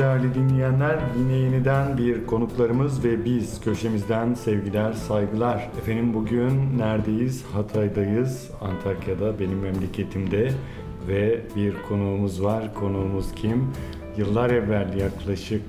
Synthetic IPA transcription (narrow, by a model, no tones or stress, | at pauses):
ɾævlʲid̪inlʲijænlʲæɾd̪inlʲe̞jinid̪ænbiɾkʰo̞nuklˠaɾɯmɯzvɛbiz̥cʰøʃe̞mizd̪ænsɛvɟilʲæɾsajɡɯlˠaɾ̥efe̞ninbuɟynːæɾd̪e̞jiz̥hat̪ʰajd̪ajɯz | ant̪ʰaɾkjad̪abe̞nimːɛmlʲecʰe̞t̪ʰimd̪ɛ | vɛbiɾkʰo̞nuːmuzvaɾ̥kʰo̞nuːmuz̥cʰim | jɯlˠːaɾɛvːælʲːjaklˠaʃɯk̚